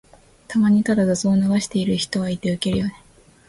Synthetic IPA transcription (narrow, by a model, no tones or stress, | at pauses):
t̪ʰamaɲ̟it̪ad̪ad̪azoːnaβaɕi̥t̪e̞iɾɯ̟çi̥t̪o̞βait̪e̞ɯ̟ke̞ɾɯ̟jo̞ne